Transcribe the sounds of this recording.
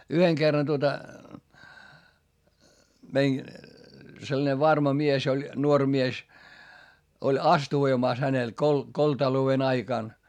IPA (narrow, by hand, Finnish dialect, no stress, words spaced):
yheŋ ɡ̊erːɑn tuotɑ mein selːɑ̆ne ʋɑrmɑ mies olʲ nuorʲ mies olʲ ɑstuʋoimɑˑs hænel kol koltɑlouen ɑikɑˑn